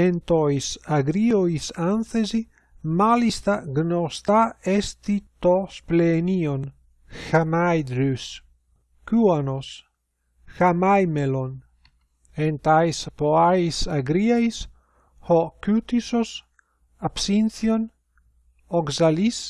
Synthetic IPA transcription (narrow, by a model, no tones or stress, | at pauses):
ent̪ojsaɡɾioisanθezi | malist̪aɡnost̪aest̪it̪osplenion | xamajd̪ɾys | kuanos | xamajmelon | ent̪ajspoaisaɡɾiajs | hokyt̪isos | apsinθjon | oksalis